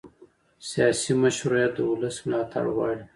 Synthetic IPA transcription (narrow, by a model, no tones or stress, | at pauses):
sijɑːsimaʃɾjat̪̚d̪əʊləsmɪlɑːt̪ʰa̰ɽwɑːɽi